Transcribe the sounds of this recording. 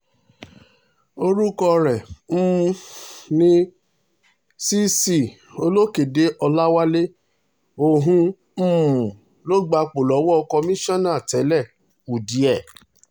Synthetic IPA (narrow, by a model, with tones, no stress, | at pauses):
o˧ɾu˦kɔ˧ɾɛ˨m̩˦˧nĩ˦ | si˦si˦˨ | o˧lo˦ke˨de˨˦ʔɔ˧la˦wa˦le˦ | o˧ɦũ˦ | m̩̃ː˦˨ | lo˦ɡ͡ba˧k͡po˨lɔ˨˦wɔ˦ɔ˧kɔ˧mĩ˦ʃɔ̃˦˨nã˦˨tɛ˨˦lɛ˦˨ | u˨di˨˦ɛ˦˨